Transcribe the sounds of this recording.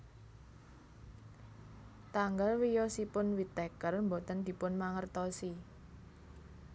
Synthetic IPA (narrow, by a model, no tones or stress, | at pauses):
t̪aŋɡalwijɔsipʊnwit̪ɛkərmbot̪ənd̪̥i̤pʊnmaŋərt̪ɔsi